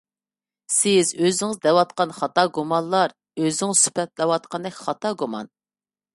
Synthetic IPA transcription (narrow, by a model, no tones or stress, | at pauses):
sɪzøzɪŋɪzd̪ɛwɑt̪̚qɑnχɑt̪ɑɡumɑnlˠɑɾ | øzɪŋsy̥pʰɛt̪lɛwɑt̪̚qʰɑnd̪ɛkʲχɑt̪ɑɡumɑ̰n